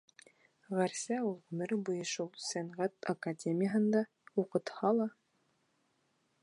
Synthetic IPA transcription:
ʁæɾsæulˠʁɵmɘɾbujɤ̆ʃulˠsæɴʁæt̪ɐkadʲemʲɪjəɦɤ̆nd̪ɑ | uqɤ̆t̪hɑlˠɑ

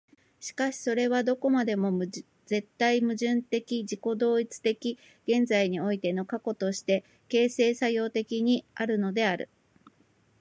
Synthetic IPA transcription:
ɕi̥kaɕi̥so̞ɾe̞βad̪o̞ko̞mad̪e̞mo̞ | ze̞t̪ːaimɯ̟ʑɨ̃nt̪e̞kʲiʑiko̞d̪o̞ːit͡sɨ̥t̪e̞kʲi | ɡ̥ẽ̞nd͡zaiɲ̟io̞it̪e̞no̞kako̞t̪o̞ɕi̥t̪e̞ | ke̞ːse̞ːsajo̞ːt̪e̞kʲiɲ̟iaɾɯ̟no̞d̪e̞aɾɯ̟̰

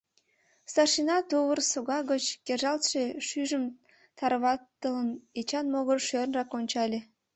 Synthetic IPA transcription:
st̪ɑrʃinɑt̪uβərsoɣɑɣət͡ɕkerʒɑlt̪ʃeʃyʒə̆m | t̪ɑɾβɑt̪ːələnet͡ɕɑnmoɣərʃørnrɑkonʲt͡ɕɑlʲe

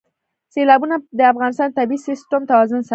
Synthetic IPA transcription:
selɑbunad̪əafɣɑnɪst̪ɑnt̪abisɪsʈamt̪awɑzʊnsa

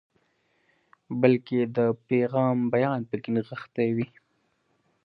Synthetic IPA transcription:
bəlked̪əpeɣɑːmbajɑnpəkɪnəɣəxt̪awi

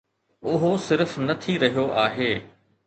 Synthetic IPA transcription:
ʊɦosɪɾfnɐt̪ʰiɾɐɦijoʔaːɦeː

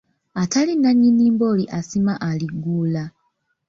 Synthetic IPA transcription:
atalinaɲːiniːmbo̞ːliʔasimaʔaliɡːuːla

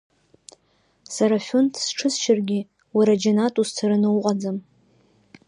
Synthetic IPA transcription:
saɾafʲuntʰsʈ͡ʂʰɨsʃarɡʲɪ | waɾad͡ʒanatʼust͡sʰaɾɨnɨwqʼad͡zam

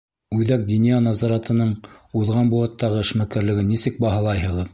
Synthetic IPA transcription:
ʉðæk̚d̪inijɑnɑzɑɾɑt̪ɤ̆nɤɴuðʁɑnbuɑt̪ːɑʁɤɘ̆ʃmækæɾlɘ̆ɡɘnːisɘk̚bɑɦɑlˠɑjhɤ̆ʁɤð

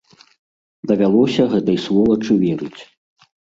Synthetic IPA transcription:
d̪ɐvʲalˠɔsʲɐɣɛt̪ɐjslˠɔvɐt͡ʂɨvʲɛɾɨ̰t͡sʲ

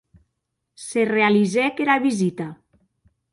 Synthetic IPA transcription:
serealizɛkeɾaβizit̪a

